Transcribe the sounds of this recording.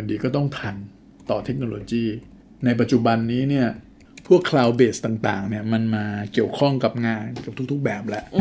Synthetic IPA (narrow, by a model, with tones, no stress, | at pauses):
ndiː˧kɔː˥˩t̪ɔ˥˩ŋt̪ʰa˧n | t̪ɔː˨˩t̪ʰe˦˥k̚noː˧loː˧t͡ɕiː˥˩ | na˧jp̬a˨˩t̪̚t͡ɕu˨˩ba˧nːiː˦˥ni˥˩ɐ | pʰu˥˩əkʰɾaː˧wbeː˨˩st̪aː˨˩ŋt̪a̰ː˨˩ŋni˥˩ɐma˧nmaː˧ki˨˩əwkʰɔ˥˩ŋka˨˩p̚ŋaː˧nka˨˩p̚t̪ʰu˦˥kt̪ʰu˦˥k̚bɛː˨˩p̚lɛ˦˥ʔ